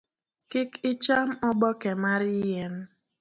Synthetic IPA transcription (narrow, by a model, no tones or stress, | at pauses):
kɪkɪt͡ʃam̩ɔbɔkɛmaɾijem̩